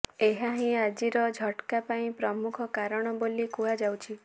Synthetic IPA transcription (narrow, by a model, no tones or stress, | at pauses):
eɦaɦĩad͡ʒiɾɔd͡ʒʱɔʈkapaĩpɾɔmukʰɔkaɾɔɽ̃ɔbolikuɦad͡ʒawt͡ʃʰi